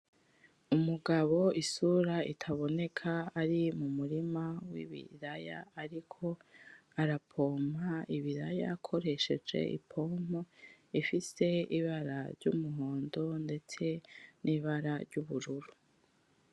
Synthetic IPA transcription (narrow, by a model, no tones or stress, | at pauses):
umuɡaβo̞isuɾaitʰaβo̞ne̞kʰaːɾimumuɾimawḭβḭɾaja̰ːɾikʰo̞aɾapʰo̞ːmaiβiɾaja̰kʰo̞ɾe̞ʃe̞d͡ʒe̞̰ʔḭpʰo̞moifise̞iβaɾa̰ɾɟṵmuɦoːndo̞nde̞t͡se̞niβaɾaɾɟuβuɾuɾu